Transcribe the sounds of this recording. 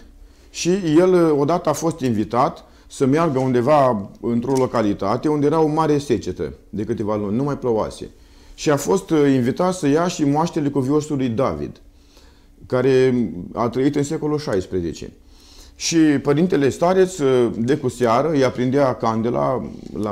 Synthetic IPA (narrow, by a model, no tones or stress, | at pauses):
ʃije̞lo̞d̪at̪əafo̞st̪invit̪at̪ | səmearɡəund̪e̞vaɨnt̪ɾo̞lo̞kalit̪at̪e̞und̪ejeɾao̞maɾe̞se̞t͡ʃe̞t̪ə̰d̪e̞kɨt̪e̞valunʲnumajpɾoa̰se̞̰ | ʃiafo̞st̪invit̪at̪səjaʃimoaʃt̪elekuvio̞sulujd̪avḭd̪̥ | kaɾe̞a̰t̪ɾəit̪ɨnse̞ko̞luʃajspɾe̞ze̞̰t͡ʃḛ | ʃipəɾint̪e̞le̞st̪aɾet̪sd̪e̞kuseaɾəjapɾind̪eakand̪ela̰la